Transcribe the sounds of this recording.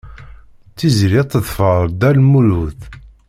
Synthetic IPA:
t͡sːizɾit̪ːəðfəɾˤd̪ælmuluθ

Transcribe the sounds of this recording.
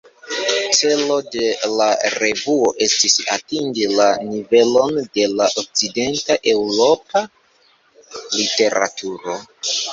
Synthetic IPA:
t͡se̞lo̞de̞laɾe̞vuoʔe̞stisa̰tiŋɡilanive̞lo̞nde̞laʔok̚t͡side̞ntaʔe̞wɾo̞pa | lite̞ɾa̰tʰuɾo̞

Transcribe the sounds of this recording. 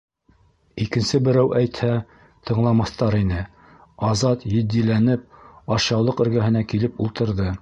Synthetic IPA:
ikɘ̆nsɘbɘ̆ɾæwʔæjt̪hæ | t̪ʰɤ̆ɴlˠɑmɑθt̪ɑɾinɘ | ɑzɑt̪jɘ̆d̪ːilænɘp̚ɑɕɑwlˠɤqɵ̆ɾɡæɦɘ̆nækilɘpulˠt̪ɤ̆ɾðɤ

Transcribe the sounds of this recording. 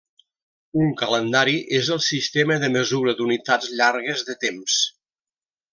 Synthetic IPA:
uŋkələnd̪aɾiʔezəlˠsist̪eməðəməzuɾəd̪unit̪ad͡zʎaɾɣəzðət̪ems

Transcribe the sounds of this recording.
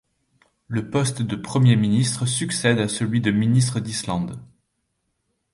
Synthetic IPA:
ləpɔst̪d̪əpχəmjeminist̪χəsyksɛd̪asəlɥid̪əminis̬t̪χəd̪islɑ̃d̪

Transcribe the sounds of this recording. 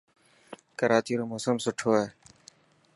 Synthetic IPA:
kəɾaːt͡ʃiːɾoːmoːsəmsʊʈʰoːɦeː

